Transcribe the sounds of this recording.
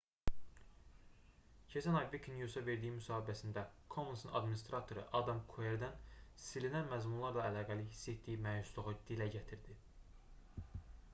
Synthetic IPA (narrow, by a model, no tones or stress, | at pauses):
cʰesʰænɑbekʰinjusɑve̞ɾd̪ijimysɑːhibæsind̪ækʰomunsɯnɑ̰d̪minist̪ɾɑt̪ʰo̞ɾɯ̰ʔɑd̪ɑmkʰueɾd̪ænsilinænmæzmunlˠɑɾlˠɑælɑːɡæliɦisːet̪d̪ijimæjususlˠuʁɯd̪̥ilæɟæt̪ʰiɾd̪i